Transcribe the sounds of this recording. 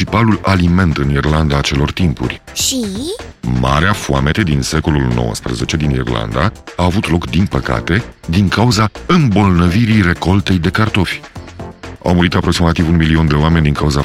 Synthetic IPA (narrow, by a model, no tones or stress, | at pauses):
ipalulalime̞nt̪ɨnirland̪aːt͡ʃe̞lo̞rt̪impṵrʲ | ʃi | ma̰ɾeafuame̞t̪e̞d̪inse̞ko̞lulno̞̰wə̰spɾə̰ze̞t͡ʃe̞d̪inḭrla̰nd̪aaːvut̪lo̞kd̪inpəka̰t̪e̞d̪iŋkauzaɨmbo̞lnəviɾijre̞ko̞lt̪e̞jd̪e̞kart̪o̞fʲ | a̰wmuɾit̪apɾo̞ksimat̪ivunmilio̞nd̪e̞oamenʲd̪iŋkauza